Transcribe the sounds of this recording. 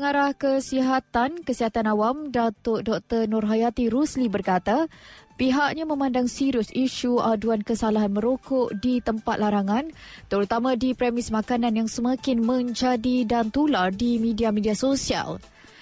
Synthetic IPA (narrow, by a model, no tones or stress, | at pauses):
pəŋaɾahkəsiɦat̪ankəsiɦat̪anawamdat̪ʊdɔk̚t̪ərnʊrɦajat̪iɾuslibərkat̪apiɦaʔɲamə̃mãndaŋsiɾʊsiʃuaduankəsalaɦanmə̃ɾokɔʔdit̪əmpat̪̚laɾaŋãnt̪əɾut̪amãdipɾɛmɪsmakananjaŋsəmakɪnmə̃ɲd͡ʒadidant̪ulardimidiamidiasosia̰l